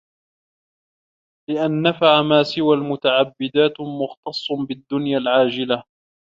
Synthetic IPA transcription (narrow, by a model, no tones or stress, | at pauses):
lɪʔanːafaʕamaːsɪwalmʊt̪aʕabːɪd̪aːt̪mʊxt̪ɑsˤːbɪd̪ːʊnjalʕaːd͡ʒɪla